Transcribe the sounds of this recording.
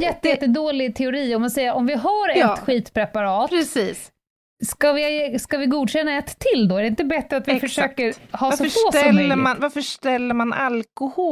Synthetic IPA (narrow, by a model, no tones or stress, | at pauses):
njɛt̪ːɛt̪ːəd̪oːlɪt̪ʰɛʊɾiːɔmansɛjəɾɔmvɪɦaɾɛt̪ɧiːt̪pʰɾɛpaɾɑːt̪ɾɛsiːs | skavɪskavɪɡuːd̪ɕɛnːaɛt̪ʰːɪld̪ɔæɖɛɪnt̪əbɛt̪ːɾəat̪vɪfœʂøːkəɾhɑːsɔfoːɔːəmanvaɾfəʂt̪ɛlːəɾmanʔa̰lkʊhoː